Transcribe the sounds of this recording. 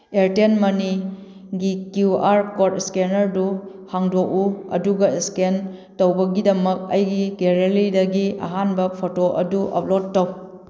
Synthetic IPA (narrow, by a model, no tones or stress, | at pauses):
eɾtenmɐni | ɡikuaɾkotskenɐɾdu | haŋdok̚uɐ̰duɡɐskentɐwbɐɡidɐmɐk̚ɐ̰jɡiɡeɾelidɐɡia̰ɦanbɐpʰotoʔɐ̰duʔɐ̰p̚ʰlotːɐw